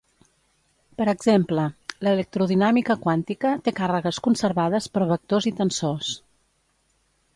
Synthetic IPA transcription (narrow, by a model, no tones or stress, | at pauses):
pəɾəɡzemplələlək̚t̪ɾuðinamikəkwant̪ikət̪ekarəɣəskunsəɾβaðəspəɾβək̚t̪ozit̪ənsos